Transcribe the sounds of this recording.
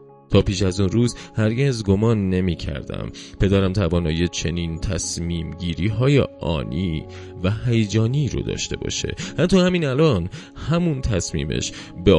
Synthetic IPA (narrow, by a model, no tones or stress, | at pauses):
t̪ʰɒːpiːʃæzunruːzhæɾɟezɡo̞mɒːnːe̞miːcʰæ̰ɾd̪æ̰mpʰe̞d̪æːɾæmt̪ʰævɒːnɒːjiet͡ʃʰe̞niːnt̪ʰæsmiːmɟiːɾiːɦɒːjḛʔɒ̰ːniː | væhæjed͡ʒɒːniːɾo̰d̪ɒ̰ːʃt̪e̞bɒ̰ːʃḛhænt̪ʰohæmiːnælɒn | hæmunt̪ʰæsmḭːmḛʃ | be